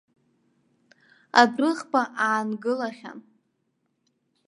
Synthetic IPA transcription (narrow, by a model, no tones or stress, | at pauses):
a̰drɨʁbaʔaːnɡɨlaχʲa̰n